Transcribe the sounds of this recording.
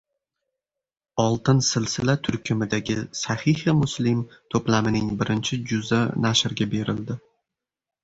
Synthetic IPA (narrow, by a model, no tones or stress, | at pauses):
ɒlˠt̪ɪnsɪlsɪlat̪ʰʊɾkʲʰɪmɪd̪aɡʲɪsahihɪmʊslɪmt̪ʰoplamɪnɪŋbɪɾɪnt͡ʃʰɪd͡ʒʊzanaʃɪɾɡʲabe̞ɾɪld̪ɪ